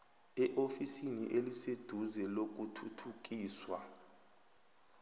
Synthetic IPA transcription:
ɛʔofisinḭʔelised̥ʱuzɛlok̬utʰutʰuk̬ʼiːswa

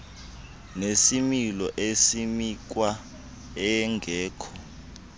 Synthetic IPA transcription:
nesimilɔʔesimik̬wa | ɛŋɡʱɛːkʰɔ̥

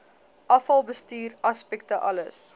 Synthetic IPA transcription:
ʔɐfɐlˠbəstiːrɐspɛk̚təʔɐləs

